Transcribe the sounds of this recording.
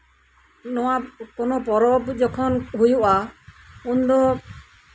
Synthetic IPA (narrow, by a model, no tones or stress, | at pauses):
nɔwakɔnɔpɔɾɔbd͡ʒɔkʰɔnɦujuʔa | und̪ɔ